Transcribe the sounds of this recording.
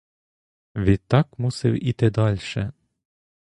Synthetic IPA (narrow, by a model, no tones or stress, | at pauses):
ʋʲit̪ːɑkmusɪwit̪ɪd̪ɑlʲʃɛ̰